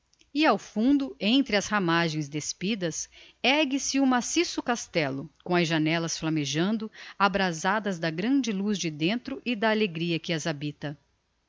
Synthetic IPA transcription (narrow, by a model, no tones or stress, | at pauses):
ɪawfũnd̪ʊẽnt̪ɾɪɐshamaʒẽj̃zd̪espid̪ɐs | ɛɡɪsɪumasisʊkast̪ɛlʊkõɐzʒanɛlɐsflɐmeʒɐ̃nd̪ʊabɾazad̪ɐzd̪ɐɡɾɐ̃d͡ʒɪluzd͡ʒɪd̪ẽnt̪ɾʊʔɪd̪ɐːleɡɾiɐkɪɐzabit̪ɐ